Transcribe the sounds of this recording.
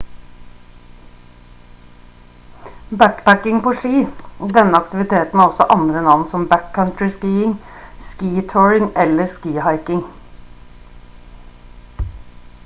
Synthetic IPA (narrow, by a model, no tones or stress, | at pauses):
bækpækɪŋpoːʃiːd̪ɛnəɑkt̪ɪʋɪt̪ʰeːt̪n̩æːɔsɔʔɑnd̪ɾənɑʋnsɔmbækkʰɑnt̪ɹɪskiːɪŋ | skiːt̪ʰoːɹɪŋɛləskiːhɑɪkɪŋ